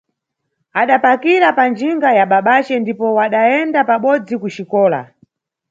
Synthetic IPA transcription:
aɗapakiɾapand͡ʒiŋɡajaɓaɓat͡ʃɛndipɔwaɗajɛndapaɓɔd͡zikut͡ʃikɔːla̰

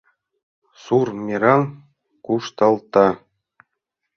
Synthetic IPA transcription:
surmʲiɾɑn | kuʂt̪ɤ̆lˠt̪ɑ

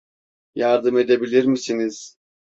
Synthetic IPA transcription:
jaɾd̪ɯme̞d̪ebilʲiɾmisiniz̥

